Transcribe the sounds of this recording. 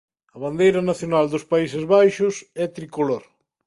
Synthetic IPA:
ɐβ̞and̪ejɾɐnaθjonald̪ʊspaisɪzβajʃʊsɛt̪ɾikoloɾ

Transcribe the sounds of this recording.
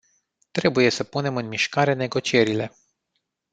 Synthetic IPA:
t̪ɾe̞buje̞səpune̞mɨnmiʃkaɾe̞ne̞ɡo̞t͡ʃie̞ɾile̞

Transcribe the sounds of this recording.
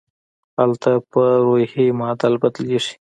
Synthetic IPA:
halt̪apəɾohemɑd̪albad̪leʂi̥

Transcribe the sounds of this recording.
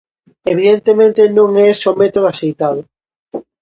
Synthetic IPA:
eβ̞iðent̪emẽnt̪enõŋɛsomet̪oðoasejt̪aðʊ

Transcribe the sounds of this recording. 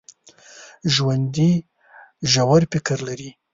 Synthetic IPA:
ʒwand̪i | ʒawaɾpɪkaɾlaɾi

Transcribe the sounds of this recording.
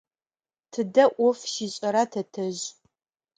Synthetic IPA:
tʰɨdɐʔʷʊfʃiːɕʼɐɾatʰɐtʰɐʑ

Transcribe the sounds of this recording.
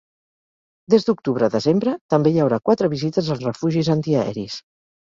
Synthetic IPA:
d̪ezd̪uk̚t̪uβ̞ɾəðəzembɾət̪əmbejəwɾakwat̪ɾəβizit̪əzəlˠzrəfuʒizənt̪iəɛ̰ɾis

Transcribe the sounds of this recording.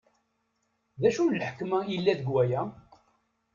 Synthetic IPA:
ðæʃunlħə̥kmæilːæðəɡwæjæ

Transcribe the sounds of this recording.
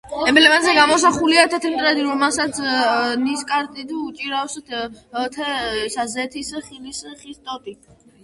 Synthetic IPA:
ɛmlɛmanzɛɡamɔsaχuliat̪ʰɛt̪ʰɾimt̪ʼɾɛd̪iɾɔmɛlˠsat̪sʰniskʼaɾt̪ʼid̪ut͡ʃʼiɾafs | t̪ʰɛsazɛt̪ʰisχilisχist̪ʼɔt̪ʼi

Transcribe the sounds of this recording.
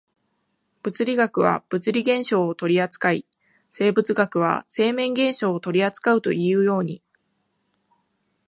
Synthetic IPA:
b̥ɯ̟t͡sɨɾʲiɡakɯ̟β̞a̰b̥ɯ̟t͡sɨɾʲiɡẽ̞ɰ̃ɕo̞ːt̪o̞ɾʲiat͡sɨ̥kaḭ | se̞ːbɯ̟t͡sɨɡakɯ̟β̞a̰se̞ːmẽ̞ŋɡẽ̞ɰ̃ɕo̞ːt̪o̞ɾʲiat͡sɨ̥kaɯ̟t̪o̞̰ʔiɯ̟jo̞ːɲ̟i

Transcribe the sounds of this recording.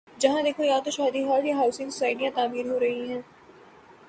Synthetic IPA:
d͡ʒɐɦãd̪eːkʰojaːt̪oʃaːd̪iɦɔːɾjaɦaʊsɪ̃ŋɡsʊ̥saːɪɖijãt̪aːmiːɾɦoɾɐɦiɦɛ̃ː

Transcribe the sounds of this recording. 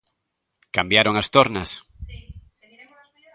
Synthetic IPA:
kambjaɾoŋast̪oɾnas

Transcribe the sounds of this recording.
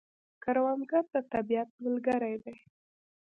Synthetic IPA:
kaɾwɑnɡaɾd̪at̪abiat̪̚məlɡaɾajd̪aj

